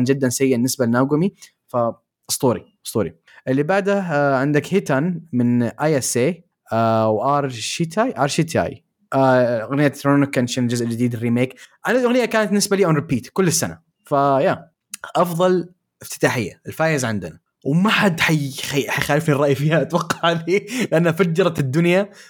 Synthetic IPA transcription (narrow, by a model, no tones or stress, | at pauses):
nd͡ʒɪd̪ːansajːɪnːɪsbalnːaːɡʊmi | fa | ʔsˤt̪ˤuːɾiʔst̪ˤuːɾḭ | ʔɪlːibaʕd̪aʕɪnd̪akhɪt̪anmɪnʔaːjaseː | ʔawʔɑɾˤʃit̪ajʔɑɾˤʃit̪ʰa̰ːj | ʔaɣnɪjːaɾonɪkːanʃaːnd͡ʒʊzʔd͡ʒɪd̪iːd̪ɪrːiːmeːkʔanalʔaɣnɪjːakaːnat̪nɪsbaliːʔanɾɪpiːt̪kʊlːɪsːana̰ | fajaː | ʔɑfðˤɑl | ʔɪft̪ɪ̥t̪aːħɪjːaɪlfaːjɪzʕɪnd̪ɪna | wmaħad̪ħajaħajxaːlɪfnirˤɑːʔjfiːhaʔat̪wɑqːɑʕalilɪʔanːhafad͡ʒːɑɾˤɑd̪ːʊnja